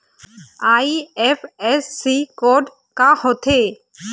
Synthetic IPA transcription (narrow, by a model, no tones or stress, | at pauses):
ajepʰesːikɔɖ | kahɔt̪ʰe